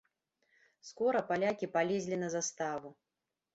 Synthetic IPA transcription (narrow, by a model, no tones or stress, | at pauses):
skɔɾɐpalʲakʲipalʲezʲlʲinɐzast̪avu